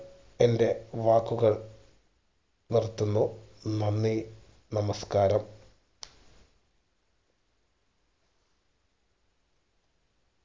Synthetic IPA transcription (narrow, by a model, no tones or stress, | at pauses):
e̞nde̞ʋaːkːuɣɐɭ | nirt̪ːunːunɐnːi | nɐmɐskaːɾɐm